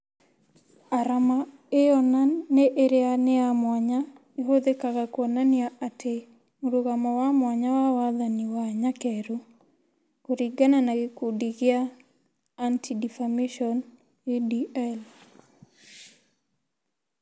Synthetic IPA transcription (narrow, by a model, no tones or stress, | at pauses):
aɾama | eɔnanːeʔeɾeaneamwaɲa | eɦoðekaɣakwɔnaniaʔatʰe | muɾoɣamawamwaɲawawaðaniwaɲakɛɾo | koɾiɡananaɡkudiɣɪa | antidifameʃɔn | ediɛl